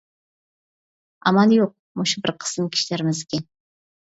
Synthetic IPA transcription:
ɑmɑnjoq̚ | muʃubɪɾqʰə̥smkʲʰi̥ʃlæɾɪmɪzɪkʲɛn

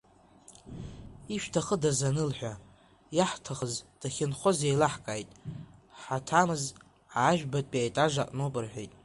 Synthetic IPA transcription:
iʃᶣtʰaχədazanɨlħʷᶣa | jaħtʰaχəzd̥aχʲɪnχozejlaħkʼajtʼħatʰamɨz | aːʒᶣbatʼpʼiajtʼaʐaqʼnopʼɨrħʷᶣejtʼ

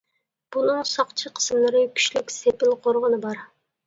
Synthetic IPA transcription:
b̥unɨŋsɑqt͡ʃʰiqʰə̥smlˠɨɾɨkʲʰy̥ʃlykʲsepɪlqʰoɾʁənɨbɑɾ

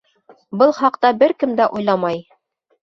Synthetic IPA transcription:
bɤlˠχɑqt̪ɑbɘɾkɘmd̪æʔujlˠɑmɑj

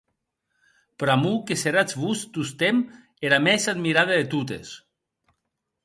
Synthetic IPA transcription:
pɾamukeseɾat͡sβust̪ust̪em | eɾamɛsad̪miɾaðeðet̪ut̪ḛs

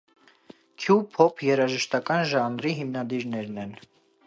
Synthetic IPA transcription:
kʰjupʰɔpʰjɛɾɑʒəʃt̪ɑkɑnʒɑnɾiɦimnɑd̪iɾnɛɾnɛn

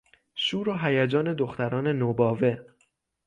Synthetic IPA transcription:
ʃuːɾoːɦæjæd͡ʒɒːne̞d̪oxt̪æɾɒːne̞nobɒːve̞

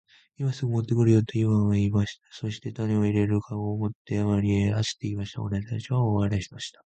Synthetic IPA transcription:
imasɨɡomo̞t̪ːe̞kɯ̟ɾɯ̟jot̪ːoimaβaimaɕi̥t̪ḁso̞ɕi̥t̪e̞t̪aneoiɾe̞ɾɯ̟kʰaɡoːmo̞t̪ːe̞amaɾʲieasɨ̥t̪ːeimaɕi̥t̪a̰oɾet̪at͡ɕiβaoβaɾeɕi̥t̪aɕi̥t̪ḁ

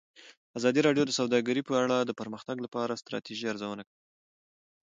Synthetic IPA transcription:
azɑd̪iɾɑɖjod̪əsawd̪ɑɡəɾipəaɽad̪əpəɾməxt̪aɡlapɑɾast̪ɾɑ̰t̪iʒiaɾzawənakai

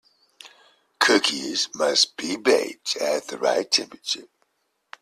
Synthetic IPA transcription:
kʰɜˑkʰizmʌsb̥ibeɪp̚tʰət̪̚ðəɹa̰ɪtʰɛ̃mpɹət͡ʃə

